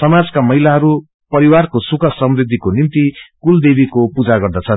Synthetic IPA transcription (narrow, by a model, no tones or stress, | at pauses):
sʌmad͡zkamʌɦilaɦʌɾu | pʌɾiwarkosukʌsʌmrid̪ʱːikonint̪ikuld̪ebikopud͡zaɡʌrd̪ʌt͡sʰʌn